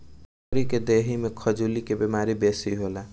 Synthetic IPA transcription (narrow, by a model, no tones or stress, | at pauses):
ɾiked̪eɦimekʰəd͡ʒulikebemaɾibesiɦola